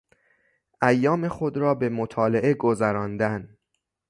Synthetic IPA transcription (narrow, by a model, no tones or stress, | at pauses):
ʔæjːɒːme̞xod̪ɾɒːbemot̪ʰɒːleʔe̞ɡozæɾɒːnd̪æn